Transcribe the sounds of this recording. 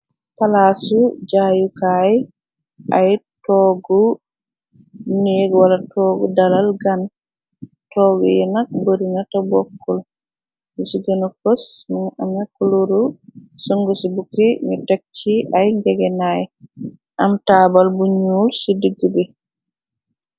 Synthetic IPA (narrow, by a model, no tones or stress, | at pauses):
palasud͡ʒajukaj | ʔajtɔːɡɔ | neːɡwalatʰɔːɡɔdalalɡan | tɔɡɔ̰jɛnak̚boɾinatɔbɔkːɔl | misuɡɛnɔkɔsminamakluɾusɔŋɡɔsubukiɲɔtakt͡ʃːiʔajŋɡɛɡɛnajɛ | ʔamtaːbalbuɲulsidiɡːubɛ